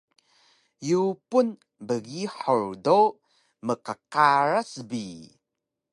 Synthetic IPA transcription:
jupun | bəɣiħuɹdo | məqəqaɾasbi

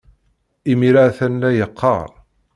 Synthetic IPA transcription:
imiɾaθænlæjəqːɑ̰ɾˤ

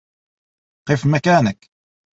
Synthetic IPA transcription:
qifmækaːnək

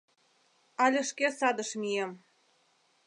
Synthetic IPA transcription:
ɑlʲɘ̆ʃkesɑd̪ɤ̆ʃmʲijem

